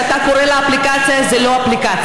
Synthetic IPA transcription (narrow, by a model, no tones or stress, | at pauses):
takʊɾɛlaːplikat͡sʰɛzeloaplikaːt͡sʰ